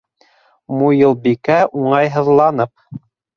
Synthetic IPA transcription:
mujɤ̆lˠbikæʔuɴɑjɦɤ̆ðlˠɑnɤp̚

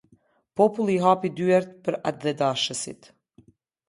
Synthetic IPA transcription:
pɔpulˠiɦapid̪yɛɾt̪̚pəɾad̪ðɛd̪aʃəsḭt̪

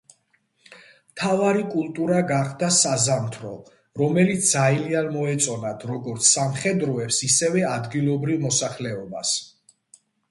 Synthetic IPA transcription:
mt̪ʰavaɾikʼulˠt̪ʼuɾaɡaχd̪asazamt̪ʰɾɔ | ɾɔmɛlit̪s̚d̪ailianmɔɛt̪sʼɔnad̪ʰɾɔɡɔɾt̪sʰsamχɛd̪ɾɔɛpsisɛvɛad̪ɡilˠɔbɾivmɔsaχlɛɔba̰s

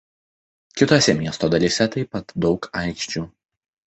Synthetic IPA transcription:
kʲɪt̪oːsʲɛmʲiɛst̪oːd̪ɐlʲisʲɛt̪ɐɪpɐt̪d̪ɒʊkʰɑɪkʃʲt͡ʃʲuː

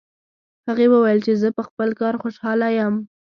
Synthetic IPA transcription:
haɣewəwajəlt͡ʃezəpəxpəlkɑɾxoʃɑlajəm

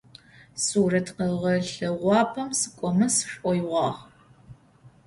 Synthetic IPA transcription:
suːrɐtʰqɐʁɐɬɨʁʷɑːpʰɐmsɨ̥kʷʼɔmɐsʂʷʼɔjʁʷɑːʁ

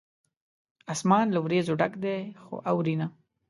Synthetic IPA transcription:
asmɑːnlawɾezoɖakd̪exo̰ʔawɾina

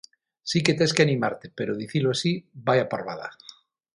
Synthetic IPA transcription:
siket̪eskeanimaɾt̪epeɾoðiθiloasibajapaɾβaða̰

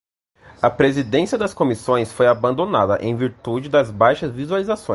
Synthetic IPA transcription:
ɐpɾezid̪ẽsiɐd̪ɐskomisõj̃sfojabɐ̃nd̪onad̪ɐʔḛ̃j̃viɾt̪ud͡ʒɪd̪ɐzbajʃɐzvizualizasõj

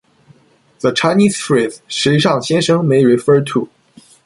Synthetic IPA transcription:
ðət͡ʃʰaɪnisfɹiʂɻ̩iʂɑŋɕjɛnʂɤŋmeɪɹifə˞tʰu

